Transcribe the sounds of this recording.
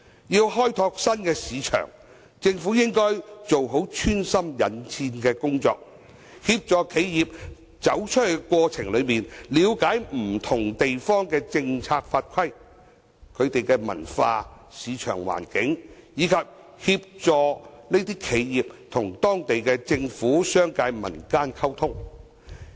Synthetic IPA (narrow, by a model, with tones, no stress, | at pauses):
jiː˧wɦɔː˥jt̪ʰɔː˧k̚sɐ˥nkɛː˧siː˨˧t͡ʃʰœ̰˨˩ŋ | t͡sɪ˧ŋfuː˨˥jɪ˥ŋkɔː˥jt͡so˨wɦo˨˥wt͡ʃʰyː˥nsɐ˥mjɐ˨nt͡sʰiː˧nkɛː˧kʊ˥ŋt͡sɔ̰ː˧k̚ | hiː˧p̚t͡sɔː˧kʰe˨˧jjiː˨p̚ | t͡sɐ˨˥wt͡ʃʰɵ˥he˨˩kʷwɔː˧t͡sʰɪ˨˩ŋlɵ˨˧ɥmiː˨nliː˨˧wkaː˨˥jm̩˨˩t̪ʰʊ˨˩ŋt̪e˨jfɔː˥ŋkɛː˧t͡sɪ˧ŋt͡sʰaː˧k̚faː˧t̚kʰɐ˥j | kʰɵ˨˧ɥt̪e˨jkɛ˧mɐ̰˨˩nfaː˧ | siː˨˧t͡ʃʰœ̰ː˨˩ŋwa̰ː˨˩nkɪ˨˥ŋjiː˨˧kʰɐ˨p̚ | hiː˧p̚t͡sɔː˨˧ne˥t̪iː˥kʰe˨˧jjiː˨p̚t̪ʰʊ˨˩ŋt̪ɔː˥ŋt̪e˨jkɛ˧t͡sɪ˧ŋfuː˨˥sœː˥ŋkaː˨˥jmɐ̰˨˩nkaː˥nkʰɐ˥wt̪ʰʊ˥ŋ